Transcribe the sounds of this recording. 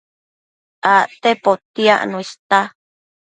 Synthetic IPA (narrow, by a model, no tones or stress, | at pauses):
aʔt̪epot̪iaʔnũist̪a